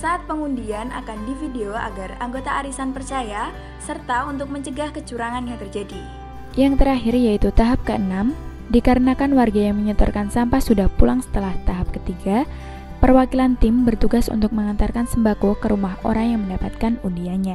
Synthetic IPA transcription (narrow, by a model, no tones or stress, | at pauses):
saʔːt̪̚pəŋundiana̰kandifideoa̰ɡaraŋɡot̪aʔaɾisanpərt͡ʃaja | sərt̪aunt̪̬ʊk̚məɲt͡ʃəɡahkət͡ʃuɾaŋanjaŋt̪ərd͡ʒadi | jaŋt̪əɾaɦɪrjait̪ut̪aɦap̚kəənam | dikaɾənakanwarɡajaŋməɲət̪ɔ̰rkansampasudahpulaŋsə̥t̪əlaht̪aɦap̚kət̪iɡa | pərwakilant̪ɪmbərt̪uɡasṵnt̪ʊk̚məŋant̪arkansəmbakokəɾumaɦo̰ɾaŋjaŋməndapat̪̚kanundiaɲa